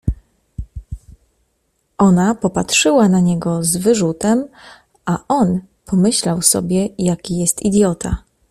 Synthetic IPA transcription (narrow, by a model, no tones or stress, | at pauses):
ʔɔnapɔpatʂɘwanaɲɛɡɔzvɘʐut̪ɛm | aʔɔn | pʰɔmɘɕlawsɔ̰bʲjɛjakʲijɛst̪id̪ʲjɔt̪ʰa̰